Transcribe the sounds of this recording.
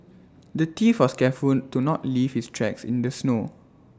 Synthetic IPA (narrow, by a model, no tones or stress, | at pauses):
dətifwɔskɛfultunɔtlivhistʰɹɛksḭ̃ndəsno